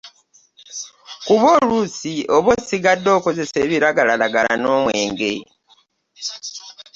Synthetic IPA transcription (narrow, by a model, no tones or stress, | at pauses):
kuβo̞luːsioβosiɡadːo̞ːko̞ze̞se̞ːβiɾaɡalalaɡala̰no̞ːmwe̞ːŋɡe̞̰